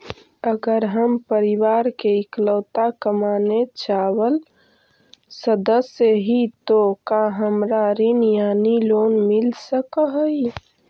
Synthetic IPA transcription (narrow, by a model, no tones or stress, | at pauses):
əɡəɾɦəmpəɾiwaːɾkeɪkləːt̪akəmanet͡ʃaːwəl | səd̪əsjəɦit̪okaɦəmɾaɾinjaːnilonmilsəkɦəi